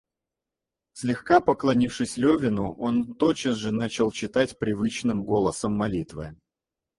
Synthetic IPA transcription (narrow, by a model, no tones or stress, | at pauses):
sʲlʲɪxkapəklˠɐnʲifʂɨsʲlʲɵvʲɪnʊʔo̞nt̪ot͡ɕəsʐɨnat͡ɕɪlˠt͡ɕɪt̪atʲpɾʲɪvɨt͡ɕnɨmɡo̞lˠəsəmːɐlʲit̪vɨ̰